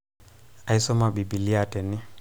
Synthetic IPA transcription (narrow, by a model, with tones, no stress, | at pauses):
a˨i˦sɔ˦ma˨ɓi˨bi˨li˦atɛ˨ni˦